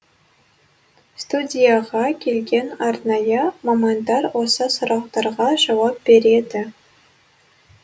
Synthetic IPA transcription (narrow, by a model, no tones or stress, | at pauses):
st̪udʲijaʁɑkʲʰelʲɡʲenɑrnɑjɑmomɑnd̪ɑrwosɤsoɾɑχt̪ɑɾʁɑʒɑwɑp̚b̥ʲeɾʲed̪ʲɪ